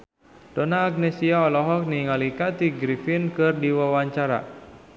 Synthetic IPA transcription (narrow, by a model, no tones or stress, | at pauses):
d̥onaːk̚nesiaɔlɔɦɔk̚niŋalikat̪iɡɾifɪnkɨrdiwawaɲt͡ʃaɾa̰